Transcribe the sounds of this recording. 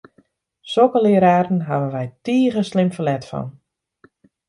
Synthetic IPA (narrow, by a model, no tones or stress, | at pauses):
sokəlɪəɾaːrn̩ɦavənʋɛjtiːɣəslɪmfəlɛtfɔ̰n